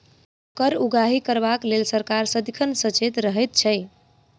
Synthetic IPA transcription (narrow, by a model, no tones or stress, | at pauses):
kəɾuɡaɦikəɾbaklelsəɾkaɾsəd̪ikʰənsət͡ʃet̪ɾəɦɛjt̪̚t͡ʃʰəj